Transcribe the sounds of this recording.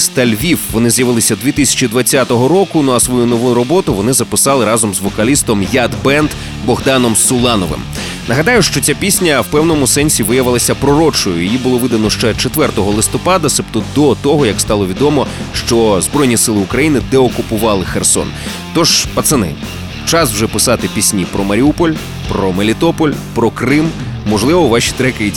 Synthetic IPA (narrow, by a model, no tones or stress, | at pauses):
st̪ɐlʲʋʲiwʋɔnɪzjɐʋɪlˠɪsʲɐd̪ʋʲit̪ɪsʲɐ̥t͡ʃid̪ʋɐt͡sʲːat̪ɔɦɔɾɔkʊnuɐsʋɔjunɔʋuɾɔbɔt̪ʊʋɔnɪzɐpɪsɑlˠɪɾɑzɔmzʋɔkɐlʲist̪ɔmjad̪bɛnd̪ | bɔɦd̪ɑnɔmsʊlˠɑnɔʋɪ̰m | nɐɦɐd̪ɑjʊʃt͡ʃɔt͡sʲapʲisʲnʲɐwpɛwnɔmʊsɛnʲsʲiʋɪjɐʋɪlˠɐsʲɐpɾɔɾɔt͡ʃɔjʊ̰jɔjibʊlˠɔʋɪd̪ɐnɔʃt͡ʃɛt͡ʃet̪ʋɛrt̪ɔɦɔlˠɪst̪ɔpɑd̪ɐsɛpt̪ɔd̪ɔt̪ɔɦɔjɐkst̪ɑlˠɔʋʲid̪ɔmɔʃt͡ʃɔzbɾɔjnʲisɪlˠɪʊkɾɐjinɪd̪ɛɔkʊpʊʋɑlˠɪxersɔ̰n | t̪ɔʒpɐt̪sɐnɪ̰ | t͡ʃɑswʒɛpɪsɑt̪ɪpʲisʲnʲipɾɔmɐɾʲiupɔlʲ | pɾɔmelʲit̪ɔpɔlʲpɾɔkɾɪmː | ɔʐlˠɪʋɔʋɑʃʲi̥t̪ɾɛkɐjitʲ